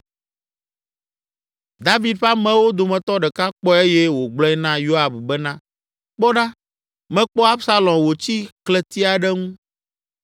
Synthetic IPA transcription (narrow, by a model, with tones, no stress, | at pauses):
d̪a˦vi˨d̪̚ɸa˦mɛ̃˦wo˦d̪o˨mɛ̃˨t̪ɔ˦ɖɛ˨ka˦k͡pɔ˦e˦jɛ˦wo˨ɡ͡blɔ̃˦ɛ˦nã˦jo˦a˨bbɛ˦nã˦ | k͡pɔ˦ɖa˦ | mɛ̃˦k͡pɔ˦a˦bsa˦lɔ̃˨wo˨t͡ɕi˦klɛ˦t̪i˦a˨ɖɛ˦ŋũ˦